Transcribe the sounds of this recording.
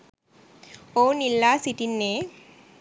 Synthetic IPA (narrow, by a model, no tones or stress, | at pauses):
oːnilːaːsiʈinːeː